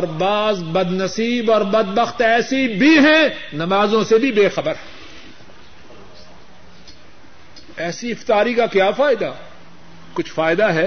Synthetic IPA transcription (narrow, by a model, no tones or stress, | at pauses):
ɔːɾbaːzbɐd̪nɐsiːbɔːɾbɐd̪̚bɐxt̪ɛːsibʱiɦɛ̃nɐmaːzõsebʱibeːxɐbəɾɦɛ̃ | ɛːsiɪft̪aːɾikakjaːfaːɪd̪a | kʊt͡ʃʰfaːɪd̪aɦɛː